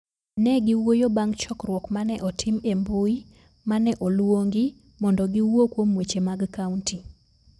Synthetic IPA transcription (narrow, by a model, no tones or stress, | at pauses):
nɛɡɪwojobaŋɡt͡ʃɔkrwɔkmanɛʔɔtʰɪmembui | manɛʔɔlwoŋɡɪ | mɔndɔɡiwokwomwet͡ʃemaɡkaunti